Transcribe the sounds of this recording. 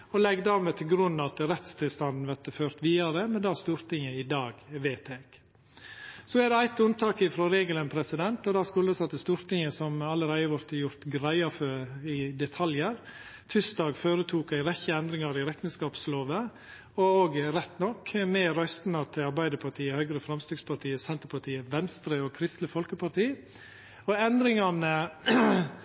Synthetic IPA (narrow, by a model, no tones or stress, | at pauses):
ɔlɛɡd̪ɑːɾmɛːt̪ʰɪlɡɾʉnːɑt̪ɾɛt̪st̪ʰɪlst̪ɑnd̪n̩ʋæɾt̪əføːɾt̪ʋiːɑɾəmɛnd̪ɑst̪uːɾt̪ɪŋəɪd̪ɑːɡʋeːt̪ʰek | sɔæd̪ɛæɪt̪ʉnt̪ʰɑːkɪfɾoːɾeːɡələnpʰɾɛsɪd̪ɛnt̪ɔd̪ɑskʉlːəsɑt̪ːəst̪uːɾt̪ɪŋəsɔmɑləɾæɪəʋɔɾt̪əjʊɾt̪ɡɾæɪɑfɔɾɪd̪ɛt̪ʰɑljəɾ | t̪ʰʏsd̪ɑːɡføːɾət̪ʰuːkæɪɾɛçəɛnd̪ɾɪŋɑɾɪɾɛt̪ːn̩skɑːpsloːʋə | ɔoːɡɾɛt̪ːnɔkʰːmɛɾœst̪nɑt̪ʰɪɑɾbæɪd̪əpʰɑʈʰiːəhœʏɡɾəfɾɑmst̪ɪːɡspʰɑʈʰiːəsɛnt̪əɾpʰɑʈʰiːəʋɛnst̪ɾəɔkʰɾɪst̪ləfɔlkəpɑɾʈiː | ɔɛnd̪ɾɪŋɑnə